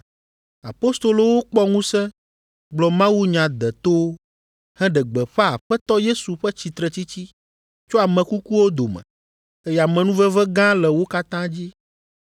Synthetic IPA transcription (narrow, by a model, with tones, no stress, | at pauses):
a̰˨po˦st̪o˨lo˨wo˦k͡pɔ˦ŋũ˦sɛ̃˦ | ɡ͡blɔ˨mã˦wu˦ɲã˨d̪ɛ˨t̪o˦ | hɛ̃˦ɖɛ˨ɡ͡bɛ˨ɸɛ˦a˨ɸɛ˦t̪ɔ˦je˦su˨ɸɛ˦t͡ɕi˨t̪ɾɛ˨t͡ɕi˦t͡ɕi˦ | t͡ʃo˦a˨mɛ̃˨ku˦ku˦wo˦d̪o˨mɛ̰̃˨ | ɛ˦ja˨mɛ̃˨nũ˦vɛ˦vɛ˦ɡã˦lɛ˨wo˦ka˦t̪ã˦d͡ʑi˦